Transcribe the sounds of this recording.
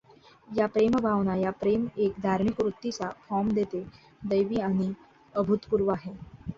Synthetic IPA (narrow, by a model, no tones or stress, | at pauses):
japɾembʱaʋnajapɾemekd̪ʱaɾmikʋɾut̪ːit͡safɔmd̪et̪e | d̪əjʋiːaɽ̃i | əbʱut̪puɾʋaɦe